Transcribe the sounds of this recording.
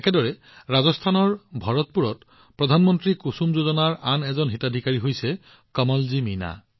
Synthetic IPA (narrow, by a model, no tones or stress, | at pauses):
ɛkɛdɔɹɛ | ɹazɔstʰanɔɹbʱaɹɔtpuɹɔt | pɹɔdʱanmɔntɹikusumzozɔnaɹanɛzɔnɦitadʱikaɹiɦojsɛ | kɔmɔlzimina̰